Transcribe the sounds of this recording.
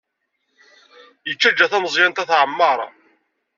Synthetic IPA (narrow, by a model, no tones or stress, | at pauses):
jət͡ʃːæd͡ʒːæθæməzˤjænt̪æθʕəmːɑɾˤɑ̰